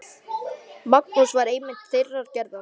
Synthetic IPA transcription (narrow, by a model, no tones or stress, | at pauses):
mak̚nusvaɾeːjmɪn̥t̪θɪjrːaɾ̥cɛɾða